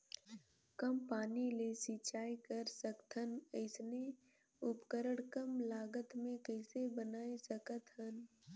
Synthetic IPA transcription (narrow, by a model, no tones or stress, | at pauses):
kəmpaːnilesit͡ʃaːikəɾsəkt̪ʰɦənəɪsne | ʊpkəɾəɽkəmlaːɡət̪mẽkəɪsebənaːesəkət̪ɦən